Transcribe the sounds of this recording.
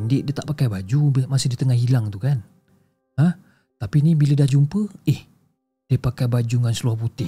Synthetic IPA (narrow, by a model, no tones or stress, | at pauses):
ndɪʔdiət̪aʔpakajbad͡ʒubmasɪhdit̪əŋahɦilaŋt̪ukan | hah | t̪apinibilədahd͡ʒumpəɪh | d̥iəpakajbad͡ʒuŋansəluahput̪ɪ